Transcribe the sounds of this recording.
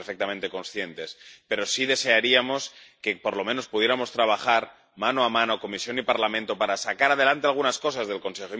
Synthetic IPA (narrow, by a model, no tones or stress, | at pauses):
eɾfek̚t̪amẽnt̪e̞ko̞nsθjent̪e̞spe̞ɾo̞siðe̞se̞aɾiamo̞ske̞po̞ɾlo̞mẽno̞spuðje̞ɾamo̞st̪ɾaβ̞axaɾ | mãnoamãnoko̞misjo̞nipaɾlamẽnt̪o̞paɾasakaɾað̞e̞lant̪ealɣ̞unasko̞sazðe̞lko̞nsexo